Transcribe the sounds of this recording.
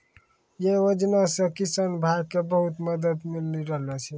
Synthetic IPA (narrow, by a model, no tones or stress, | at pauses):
jeod͡ʒnasẽkisənbʱaɡkebəɦut̪məd̪əd̪milniɾəɦlɛt͡ʃʰi